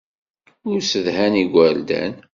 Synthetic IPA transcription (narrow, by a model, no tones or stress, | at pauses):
ʊɾsəðhæniɡʷæld̪æ̰n